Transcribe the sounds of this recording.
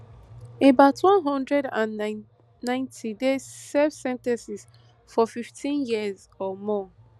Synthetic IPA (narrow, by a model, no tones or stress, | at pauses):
ebaʊtʰwɔ̃nɦɔ̃ndɹɛdãn | nãɪ̃ntʰidezsɛvsɛ̃ntɛ̃nsis | fɔfiftʰĩnjiəz | ɔmɔ